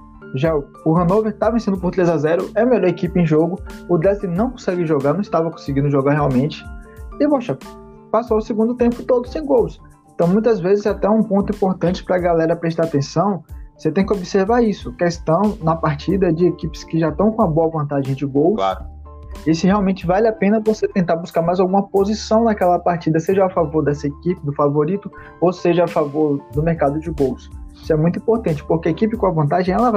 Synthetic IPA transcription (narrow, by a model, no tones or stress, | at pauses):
ʒa | ʊɦɐ̃nowveɾt̪avẽsẽnd̪ʊpoɾt̪ɾezazɛɾʊɛmeʎɔɾekipɪẽj̃ʒoɡʊʊd̪ɛslɪnɐ̃w̃kõsɛɡɪʒoɡaɾnɐ̃ɪst̪avɐkõsɪɡĩd̪ʊʒoɡaɾɦeawmẽt͡ʃɪ̥ɪvoʃɐ | pasoʊsɪɡũnd̪ʊt̪ẽmpʊt̪od̪ʊsẽj̃ɡows | ẽnt̪ɐ̃w̃mũj̃t̪ɐzvezɪzat̪ɛũpõnt̪ʊĩpoɾt̪ɐ̃nt͡ʃɪ̥pɾɐɡalɛɾɐpɾeʃ̬t̪aɾat̪ẽsɐ̃w̃oset̪ẽj̃kɪobiseɾvaɾisʊkest̪ɐ̃w̃nɐpaɾt͡ʃid̪ɐd͡ʒɪekipɪ̥skɪʒat̪ɐ̃w̃kõɐboɐvɐ̃nt̪aʒẽj̃d͡ʒɪɡowkla̰ɾ | esɪheawmẽnt͡ʃɪvalɪapẽnɐvoset̪ẽnt̪aɾbuskaɾmajzawɡũmɐpozisɐ̃w̃nɐkɛlɐpaɾt͡ʃid̪ɐseʒɐafavoɾd̪ɛsɐekipɪd̪ʊfavoɾit̪ʊ | oseʒɐafavoɾd̪ʊmeɾkad̪ʊd͡ʒɪɡowsisʊɛmũj̃t̪uĩpoɾt̪ɐ̃nt͡ʃɪ̥poɾkeɐekipɪkõɐvɐ̃nt̪aʒẽj̃ɛlɐ